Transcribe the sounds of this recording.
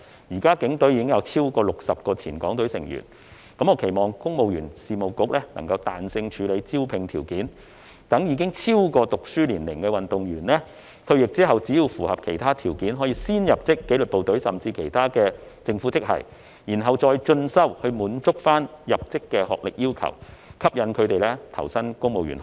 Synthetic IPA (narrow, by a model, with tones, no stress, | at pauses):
jiː˨˩kaː˥kɪ˨˥ŋt̪ɵ˨˥ɥjiː˧kɪ˥ŋjɐ˨˧wt͡sʰiː˥wkɔː˧lʊ˨k̚sɐ˨p̚kɔː˧t͡sʰiː˨˩nkɔ̰ː˨˥ŋt̪ɵ˨˥ɥsɪ˨˩ŋjy̰ː˨˩n | kɐ˨˥mɔː˨˧kʰe˨˩jmɔː˨˩ŋkʊ˥ŋmo˨wjyː˨˩nsiː˨˩mo˨˩wkʊ˨˥k̚lɛː˥nɐ̰˨˩ŋkɐ˧wt̪a̰ː˨nsɪ˧ŋt͡ʃʰyː˨˧le˨˧jt͡si˥wpʰɪ˨˩ŋt̪ʰiː˨˩wkiː˨˥n | t̪ɐ˨˥ŋjiː˨˧˥kɪ˥ŋt͡sʰiː˥wkɔː˧t̪ʊ˨k̚syː˥liː˨˩nlɪ˨˩ŋkɛː˧wɐ˨nt̪ʊ˨ŋjyː˨˩nlɛː˥ | t̪ʰɵ˧ɥjɪ˨k̚t͡siː˥ɦɐ˨wt͡siː˨˥jiː˨˧wfuː˨˩hɐ˨p̚kʰe˨˩jt̪ʰaː˥t̪ʰiː˨˩wkiː˨˥nɦɔː˨˥jiː˧siː˥njɐ˨p̚t͡sɪ˥kːe˨˥jlɵ˨t̚po˨wt̪ɵ˨˥ɥsɐ˨˩mt͡siː˧kʰe˨˩jt̪ʰaː˥kɛː˧t͡sɪ˧ŋfu˨˥t͡sɪ˥k̚hɐ̰˨˩j | jiː˨˩nɦɐ˨wt͡ʃɔː˧jt͡ʃɵ˧nsɐ˥whɵ˧ɥmuː˨˥nt͡sʊ˥k̚faː˥njɐ˨p̚t͡sɪ˥kːɛː˧hɔ̰ː˨k̚lɪ˨k̚jiː˥wkʰɐ̰˨˩wkʰɐ˥p̚jɐ˨˧nkʰɵ˨˧ɥt̪e˨jlɛ˥t̪ʰɐ˨˩wsɐ˥nkʊ˥ŋmo˨wɥy̰ː˨˩n